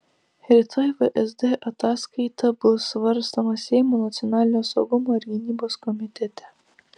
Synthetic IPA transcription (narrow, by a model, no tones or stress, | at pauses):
hɾʲɪt̪ʰɔjʋəʔɛzd̪eʔɐt̪ɑːskɐɪt̪ɐbʊsʋɐɾst̪omɐsʲɛɪmoːnɐt̪sʲɔnɑːlʲɪnʲoːsɐʊɡʊmoːɪɾɡʲɪnʲiːboːskɔmʲɪt̪ʲɛt̪ʲɛ